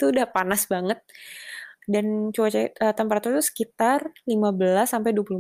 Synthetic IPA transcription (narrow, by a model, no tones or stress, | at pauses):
it̪uːdahpanasbaŋət̪̚ | dant͡ʃuwat͡ʃaət̪ampaɾat̪ut̪usə̥kit̪arlimabəlasːampajduwapul